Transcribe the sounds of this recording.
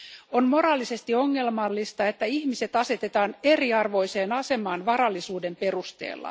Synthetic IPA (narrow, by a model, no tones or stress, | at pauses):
onmo̞ɾɑːlːise̞st̪io̞ŋːe̞lmɑlːist̪ɑe̞t̪ːæiçmise̞t̪ɑse̞t̪e̞t̪ɑːne̞riɑrʋo̞jse̞ːnɑse̞mɑːnʋɑɾɑlːisuːde̞mpe̞rust̪e̞̰ːlːɑ̰